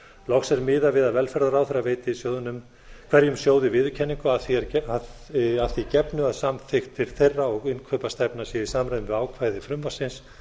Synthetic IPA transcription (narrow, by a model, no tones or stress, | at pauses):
lɔxsɛɾmɪːðavɪðaðvɛlfɛɾðaɾawθeɾːaveːjt̪ɪisjoːwðʏnʏm | kʰv̥ɛɾjʏmsjoːwðɪvɪːðʏcʰɛnːiŋkʏaθiɛɾaaðθicɛpnʏaðsamθɪxt̪ɪɾ̥θejrːaɔɣɪnkʰœpast̪ɛpnasjɛisamɾajðʏmvɪaːwkʰvaːjðɪfɾʏmvasɪns